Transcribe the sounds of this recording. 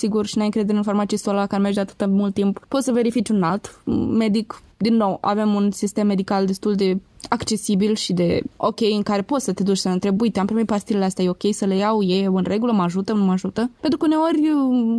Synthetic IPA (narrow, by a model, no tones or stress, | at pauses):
siɡurʃinajɨŋkɾed̪eɾeɨnformat̪sijesolakaɾemerd͡ʒd̪eat̪ɨ̥t̪əmult̪ːimppo̞t̪səve̞ɾifit͡ʃʲunalt̪me̞d̪ikd̪inːo̞wa̰ve̞munsist̪e̞mːe̞d̪ikald̪e̞st̪uld̪e̞ | akt͡ʃe̞sibilʃid̪e̞o̞kʲe̞jɨŋkaɾe̞po̞t̪sət̪e̞d̪ut͡ʃʲsəɨnt̪ɾe̞buit̪eampɾimepast̪ileleast̪eajeo̞kʲe̞jsəlejawje̞unre̞ɡuləmaʒut̪ənumaʒut̪əpe̞nt̪ɾukəuneo̞rʲə